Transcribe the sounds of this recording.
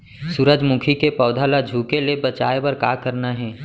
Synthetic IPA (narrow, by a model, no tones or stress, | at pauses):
suɾəd͡ʒmʊkʰikepɔːʊd̪ʱalad͡ʒʱuːkelebət͡ʃa̰ːebɐɾkaːkəɾnaɦɛ̃ː